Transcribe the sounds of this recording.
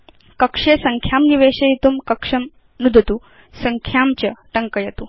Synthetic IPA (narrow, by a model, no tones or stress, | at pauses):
kəkʂesəŋkʰjamniʋeɕɐit̪uːmkəkʂɐm | nud̪ʱət̪u | səŋkʰjamt͡ɕəʈəŋkəjet̪uː